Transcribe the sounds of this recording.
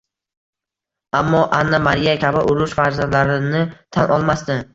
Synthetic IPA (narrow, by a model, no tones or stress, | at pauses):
amːɒʔanːamaɾijakʲʰabɪʔʊɾʊʃfaɾzand̪laɾɪnɪt̪ʰanʔɒlˠmast̪ɪ